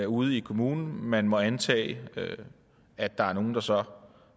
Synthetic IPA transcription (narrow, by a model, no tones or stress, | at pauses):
æuð̞̩ˠikʰo̝muːnn̩mænmɒ̽ænt͡sʰɛ̰ːø | æd̥ɑ̈æɐno̝ːn̩d̥ɑ̈sɒ̽